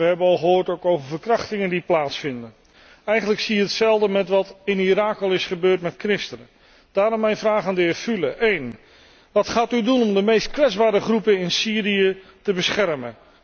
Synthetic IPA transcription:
ʋəɦɛbənɑlˠχəoːɹtowkowvəɹvəɹkrɑχtɪŋəndiplaːtsfɪndən | ɛjχənləksijəɦətsɛlˠdəmɛtʋɑtɪniraːkəlˠɪsχəbøːɹtmɛtkrɪstənə | d̥aːɾɔmːɛjnvraːχaːndəɦɪːɹfylə̰ʔejn | ʋɑtχaːtydunɔmdəmejstkʋɛdzbaːɾəχrupənɪnsiːɾijətəbəsχɛrmən

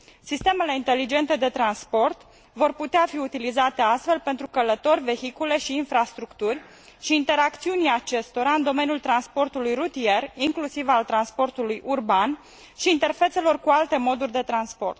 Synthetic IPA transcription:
sist̪e̞me̞le̞int̪e̞lid͡ʒe̞nt̪e̞d̪e̞t̪ɾanspo̞rt̪ | vo̞rput̪eafiut̪ilizat̪e̞ast̪fe̞lpe̞nt̪ɾukələt̪orʲve̞çikule̞ʃiːnfɾast̪ɾukt̪urʲ | ʃiːnt̪e̞ɾakt̪siunat͡ʃe̞st̪o̞ɾaɨnd̪o̞me̞nijult̪ɾanspo̞rt̪ulujrut̪ie̞riŋklusivalt̪ɾanspo̞rt̪ulujʔurban | ʃiːnt̪e̞rfet̪se̞lo̞rkualt̪e̞mo̞d̪urʲd̪e̞t̪ɾanspo̞̰rt̪

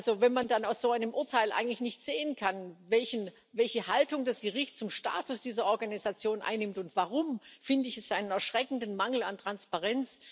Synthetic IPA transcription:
lzovɛnmandanaʊsz̥oːaɪnəmʔʊɐtʰaɪlʔa̰ɪɡŋ̩tlɪçnɪçtz̥eːənkʰanvɛlçən | vɛlçəhaltʊŋdasɡ̥əʁɪçtt͡sʊmʃta̰ːtʊsd̥iːzɐɔɐɡanizat͡sjoːnʔa̰ɪnːɪmtʊntv̥aʁʊmfɪndəɪçɛsʔaɪnənɛɐʃʁ̥ɛkn̩dn̩maŋl̩a̰ntʁ̥anspaʁɛnt͡s

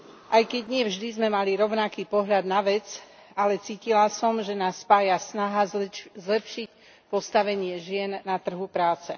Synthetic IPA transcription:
ʔajkɛɟɲɪɛvʒd̪izmɛmaliɾɔʊnakiːpɔɦʎad̪naʋɛt͡s | alɛt͡siːcilasɔmʒɛnaːsːpaːjasnaɦazzlɛpʃic | pɔst̪aʋɛɲɪɛʒɪɛnːat̪r̩ɦupɾaːt͡sɛ

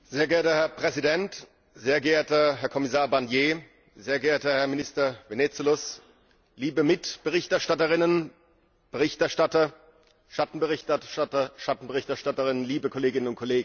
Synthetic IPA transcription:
z̥eːɐɡɛɐtəhɛɐpʁ̥ɛzidɛnt | z̥eːɐɡeːɐtɐɦɛɐkʰɔmɪsaːɐbanjeː | zeːɐɡɛːɐtɐhɛɐmɪnɪstɐveneːt͡sulʊs | liːbəmɪtb̥əʁɪçtɛɐʃtatəʁɪnən | b̥əʁɪçtɛɐʃtatɐ | ʃatn̩bəʁɪtatɐʃatn̩bəʁɪçtɛɐʃtatəʁɪnənliːbəkʰɔleːɡɪnənʊnt̚kʰɔleːɡŋ̩

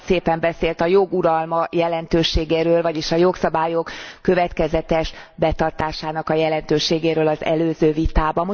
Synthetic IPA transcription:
seːpɛmbɛseːlt̪ɒjo̞ɡuɾɒlmɒjɛlɛnt̪øːʃeːɡeːɾøːlvɒɟiʃɒjo̞ksɒbaːjo̞kːø̞vɛt̪kɛzɛt̪ɛʃbɛt̪ɒrt̪aːʃaːnɒkɒjɛlɛnt̪øːʃeːɡeːɾøːlɒzɛ̰løːzøːvit̪aːbɒm

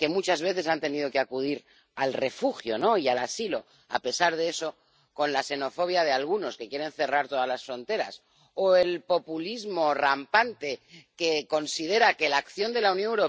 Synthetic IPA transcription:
ke̞mut͡ʃazβ̞e̞θe̞sant̪e̞niðo̞keakuð̞iɾ | alre̞fuxjo̞no̞ialasilo̞ | a̰pe̞saɾð̞eeso̞ | ko̞nlase̞no̞fo̞β̞jað̞ealɣ̞uno̞ske̞kje̞ɾe̞n̟θe̞raɾt̪o̞ðazlasfɾo̞nt̪e̞ɾa̰s | oe̞lpo̞pulizmo̞rampant̪e̞ke̞ko̞nsið̞e̞ɾake̞lakθjo̞nd̪e̞launjonewɾo̞

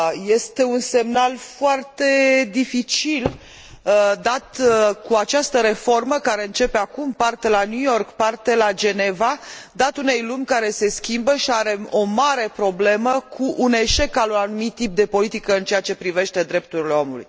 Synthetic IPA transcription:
je̞st̪e̞unse̞mnalfoart̪e̞d̪ifit͡ʃil | d̪at̪kuat͡ʃast̪əɾe̞fo̞rməkaɾe̞ɨnt͡ʃe̞peakumpart̪e̞lanjujo̞rkpart̪e̞lad͡ʒe̞ne̞vad̪at̪une̞jlumʲkaɾe̞se̞skʲimbəʃiaɾe̞o̞maɾe̞pɾo̞ble̞məkʰuʔːne̞ʃe̞kalunanumit̪ːip̚d̪e̞po̞lit̪ikəɨnt͡ʃeat͡ʃe̞pɾive̞ʃt̪e̞d̪ɾe̞p̚t̪uɾile̞o̞mulṵj

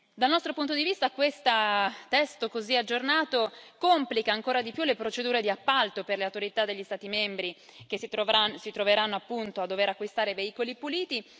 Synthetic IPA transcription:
d̪alnɔst̪ɾopunt̪od̪ivist̪akwest̪at̪ɛst̪okoziad͡ʒːornaːt̪okomplikaːŋkoːɾad̪ipjulepɾot͡ʃed̪uːɾed̪iapːalt̪operleawt̪oɾit̪ad̪ːeʎːist̪aːt̪imembɾikesit̪oansit̪ɾoveɾanːoapːunt̪oad̪ːoveɾakːwist̪aːɾeveiːkolipuliːt̪i

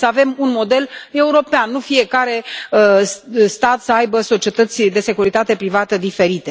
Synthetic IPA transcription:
səave̞munmo̞d̪e̞le̞uɾo̞peanːufie̞kaɾe̞əst̪at̪səajbəso̞t͡ʃie̞t̪ət̪sʲd̪e̞se̞kuɾit̪at̪e̞pɾivat̪əd̪ife̞ɾit̪e̞

